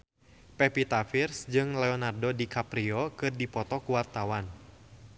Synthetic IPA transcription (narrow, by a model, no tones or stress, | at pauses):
pɛpit̪afirsd͡ʒɨŋlɛɔnardodikapɾiɔkɨrdipɔt̪ɔkuwart̪awan